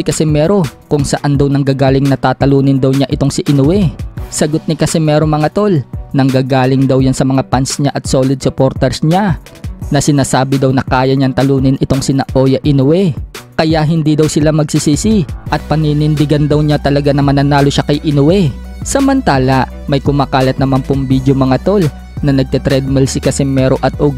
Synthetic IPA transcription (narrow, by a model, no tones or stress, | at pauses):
ɪkɐsɛmɛɾo̞kʊŋsɐʔand̪ɐwnɐŋɡaːɡaːlɪŋnɐt̪aːt̪ɐluːnɪnd̪ɐwɲaʔɪt̪o̞ŋsɪʔɪnowɛsɐɡot̪̚nɪkɐsɛmɛɾoŋmɐŋat̪o̞lnɐŋɡaːɡaːlɪŋd̪ɐwjansɐmɐŋapansɲaʔɐt̪solɪd̪̚sopo̞ɾt̪ɛɹsɲa | nɐsɪnaːsaːbɪd̪ɐwnɐkaːjɐɲaŋt̪ɐluːnɪnʔɪt̪o̞ŋsɪnɐʔo̞jɐʔɪnʊwɛkɐjaʔɦɪnd̪id̪ɐwsɪlamɐɡ̚sisiːsiʔɐt̪̚pɐninɪnd̪ɪɡand̪ɐwɲat̪ɐlɐɡanɐmaɐnɐnaːloʃakɐjʔɪnʊwɛ | sɐmɐnt̪aːlɐ | mɐjkʊmaːkaːlɐt̪̚nɐmanpoŋbid̪jomɐŋɐt̪o̞l | nɐnɐɡ̚t̪ɛt̪ɾɛd̪̚mɛlsɪkɐsɛmɛɾo̞ʔɐt̪̚ʔoɡ